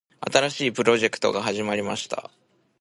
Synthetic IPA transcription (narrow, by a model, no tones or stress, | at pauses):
a̰t̪aɾaɕiːpɯ̟ɾo̞ʑe̞kɯ̟̥t̪o̞̰ɡaɦaʑimaɾʲimaɕi̥t̪a̰